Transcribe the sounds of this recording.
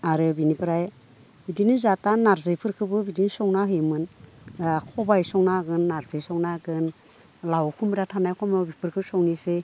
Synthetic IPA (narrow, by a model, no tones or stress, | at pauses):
aɾɯbinipʰɾaj | bidinizatanaɾzɯjpʰɯɾkʰɯbɯbidinsɔŋnaɦɯjmɯn | kʰɔbajsɔŋnaɡɯnːaɾzɯjsɔŋnaɡɯn | lawkʰumɾatʰanajkʰɔmɯbipʰɯɾkʰɯsɔŋnise